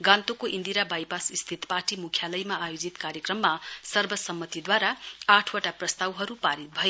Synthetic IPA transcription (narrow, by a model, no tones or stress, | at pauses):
ɡãnt̪okoʔind̪iɾabajpasist̪ʰit̪paʈimukʰjalʌjmaajod͡zit̪kaɾjekrʌmːasʌrbʱʌsʌmːʌt̪id̪waɾaaʈʰwaʈaprʌst̪awɦʌɾupaɾit̪̚bʱʌe